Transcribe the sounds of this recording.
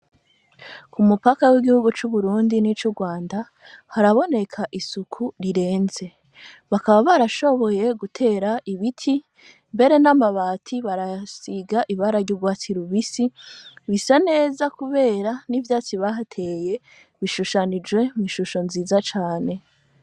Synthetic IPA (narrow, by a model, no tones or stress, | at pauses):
kumupakawiɡihuɡut͡ʃuβuɾuːndinit͡ʃuɡwaːnda | haɾaβo̞ne̞kʰaʔisukʰuɾiɾe̞ːnze̞ | βakaβaβaɾaʃo̞βo̞je̞ɡutʰe̞ːɾaʔiβitʰi | mbe̞ɾe̞namaβaːtʰiβaɾasiɡaʔiβaɾaɾɟuɡwaːtʰiɾuβisiβisane̞ːzakuβe̞ːɾanivjaːt͡siβaɦatʰe̞je̞ | βiʃuʃanid͡ʒwe̞miʃuʃo̞nziːzat͡ʃaːne̞